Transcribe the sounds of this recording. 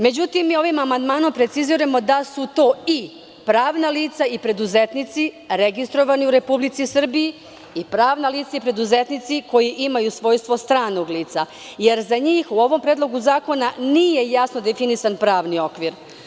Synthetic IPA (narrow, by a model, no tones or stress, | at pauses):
me̞d͡ʑut̪imːiːo̞ʋimamand̪maːno̞mpɾe̞t̪siziɾamo̞d̪asut̪o̞ːi | pɾaːʋnaliːt̪saipɾe̞d̪uzet̪nit̪si | ɾeɡist̪ɾo̞ʋaniuɾe̞publit̪sisr̩biji | ipɾaːʋnaliːt̪saipɾe̞d̪uzet̪nit̪siko̞jiʔimajusʋo̞ːjst̪ʋo̞st̪ɾaːnoɡliːt̪sa | je̞ɾzaɲiːxuo̞ʋo̞mpɾed̪lˠo̞ɡuzaːko̞naniːje̞jasnod̪efinisanpɾaːʋnio̞kʋiɾ